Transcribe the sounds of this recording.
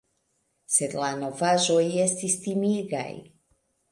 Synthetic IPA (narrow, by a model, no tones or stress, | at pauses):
sed̪lano̞vaʒo̞je̞st̪ist̪imiɡa̰j